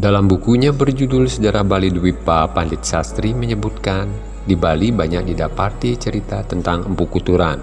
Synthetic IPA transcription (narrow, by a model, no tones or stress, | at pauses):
dalambukuɲabərd͡ʒudʊlsəd͡ʒaɾahbaliduwipapandɪt̪̚sast̪ɾiməɲəbut̪̚kan | dibalibaɲak̚didapat̪it͡ʃəɾit̪at̪ənt̪aŋəmpukut̪uɾan